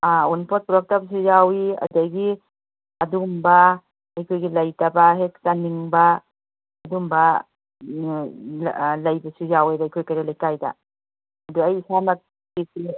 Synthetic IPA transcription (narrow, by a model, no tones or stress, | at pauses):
aunpʰɔt̚puɾɔk̚tabɐs̬ujawiɐ̰dɐɡi | ɐdumba | ɐjkʰojɡilɐjtabaɦek̚saniŋbaː | dumba | lɐjbɐsujawejbajkʰojkaɾilajkajda̰ | ɐduɐjsamɐt̚ | disi